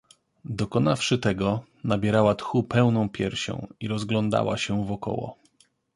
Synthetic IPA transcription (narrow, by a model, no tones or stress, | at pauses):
d̪ɔkɔnafʂɘt̪ɛɡɔ | nabʲjɛɾawat̪xupɛwnɔ̃w̃pʲjɛɾɕɔ̰̃w̃iɾɔzɡlɔnd̪a̰wa̰ɕɛvɔkɔ̰wɔ̰